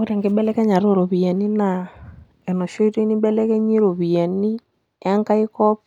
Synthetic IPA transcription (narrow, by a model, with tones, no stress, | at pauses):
o˦ɾɛ˨ŋɡe˨˦bɛ˦lɛ˦kɛ˦ɲa˨ɾo˦˨ɾo˨βi˨ɛ˨ni˦na˨ | ɛ˨no˨ʃo˦i˦to˦i˦ni˦bɛ˦lɛ˦kɛ˦ɲi˦ɾo˨βi˨ɛ˨ni˦ | a˦ŋka˦i˦kɔ˦p